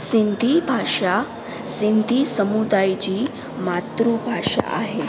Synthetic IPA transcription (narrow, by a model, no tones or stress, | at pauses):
sind̪ʱibʱaʂa | sind̪ʱisəmud̪ajt͡ɕiː | mat̪ɾubʱaʂa̰ʔa̰ɦe